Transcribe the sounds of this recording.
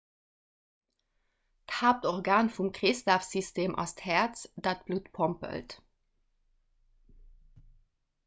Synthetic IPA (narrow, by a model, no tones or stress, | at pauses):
kʰaːp̚t̪ɔʁɡɑːnfʊmkʁɪst̪afsʏst̪eːmʔɑ̰st̪hɛːt̪sd̪at̪̚b̥lut̪pʰɔmpə̰lt̪